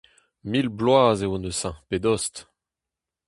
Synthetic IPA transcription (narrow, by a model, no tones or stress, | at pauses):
milblwaːzeonəsɛ̃ped̪ɔst̪